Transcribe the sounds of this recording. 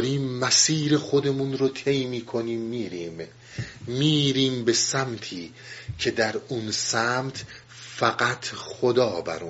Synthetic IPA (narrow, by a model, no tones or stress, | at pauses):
ɾiːmːæsiːɾe̞xo̞d̪e̞munɾot̪ʰe̞jmiːkʰo̞niːmːiːɾiːmː | iːɾiːmbe̞sæmt̪ʰiː | cʰe̞d̪æɾunsæmt̪ʰ | fæɡæt̪ʰχod̪ɒːbæ̰ɾu